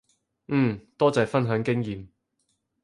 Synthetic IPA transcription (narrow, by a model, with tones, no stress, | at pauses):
ŋ̩ː˨˩t̪ɔː˥t͡sɛː˨˩fɐ˥nɦœː˨˥ŋkɪ˥ŋjiː˨˩m